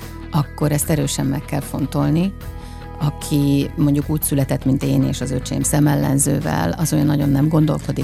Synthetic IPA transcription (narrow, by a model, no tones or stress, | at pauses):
ɒkːo̞ɾɛst̪ɛɾøːʃɛmːɛkːɛlfo̞nt̪o̞lni | ɒkʰimo̞ɲɟukuːcsylɛt̪ɛt̪ːmint̪eːnḛːʃɒzøt͡ʃḛːmsɛmɛlːɛnzø̰ːvɛ̰lɒzojɒnːɒɟo̞nːɛmɡo̞nd̪o̞lko̞d̪i